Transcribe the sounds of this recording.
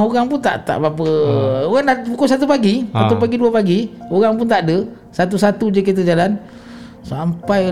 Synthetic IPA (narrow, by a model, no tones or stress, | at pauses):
oɣaŋpunt̪a̰ʔt̪a̰ʔbapəoɣaŋndapukosat̪upaɡisat̪upaɡiduapaɡioɣaŋpunt̪aʔdə | sat̪usat̪ud͡ʒək̬it̪̬əd͡ʒalan | sampaj